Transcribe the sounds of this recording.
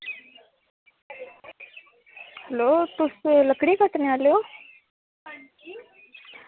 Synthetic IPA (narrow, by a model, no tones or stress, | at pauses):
həlot̪usləkɽikət̪naljo